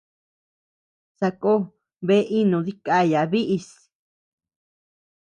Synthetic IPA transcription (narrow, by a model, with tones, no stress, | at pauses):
sa˧ko˦ | βe˦ʔi˦nũ˨˧ði˦ka˦ja˨βi˦ʔi˧s